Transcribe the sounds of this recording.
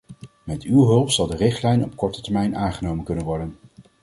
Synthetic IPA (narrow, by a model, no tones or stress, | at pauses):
mɛtywɦɵlˠpsɑlˠdərɪχtlɛjnɔpkɔɹtə̥tɛɹmɛjnʔaːŋχənowmənkɵnənʋɔɹdən